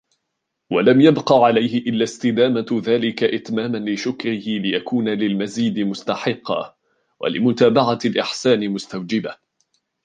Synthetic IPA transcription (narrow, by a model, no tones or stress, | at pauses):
walamjabqɑʕalajhɪʔɪlːast̪ɪd̪aːmaðaːlɪkaʔɪt̪maːmanlɪʃʊkɾɪhɪlɪjakuːnalɪlmaziːd̪ɪmʊst̪aħɪqːɑ̰ | wa̰lɪ̰mʊt̪aːbaʕalʔɪħsaːnɪmʊst̪awd͡ʒɪba